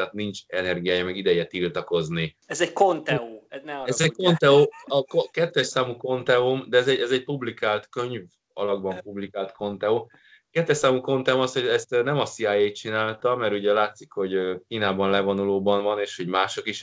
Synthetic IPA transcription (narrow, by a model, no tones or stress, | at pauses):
t̪aːt̪nint͡ʃɛnɛrɡijaːjɒmɛɡid̪ɛjɛt̪ilt̪ɒko̞zni | ɛzɛɟkont̪ɛuɛnɛɛzɛko̞nt̪ɛoɒkokɛt̪ːɛʃsaːmuko̞nt̪ɛumd̪ɛːzɛɟɛzɛcpublikaːlt̪kø̞ɲv | ɒ̰lɒɡbɒmpublikaːlt̪kʰo̞nt̪ɛo | kɛt̪ːɛʃsaːmuko̞nt̪ɛumɒshoɟɛst̪nɛmɒsiaːjejt̪̚t͡ʃinaːlt̪ɒmɛɾuɟɛlaːt̪sikho̞ɟøkiːnaːbɒnlɛvo̞nuloːbɒnvɒneːʃho̞ɟmaːʃo̞kiʃ